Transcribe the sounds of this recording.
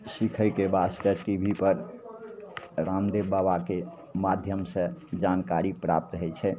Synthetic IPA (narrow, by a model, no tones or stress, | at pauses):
sikʰəjkebasʈ̪əʈibʱipəɾ | ɾamd̪ebabake | mad̪ʱjəmsə̃d͡ʒankaɾipɾa̰p̚t̪ɦət͡ʃʰɛ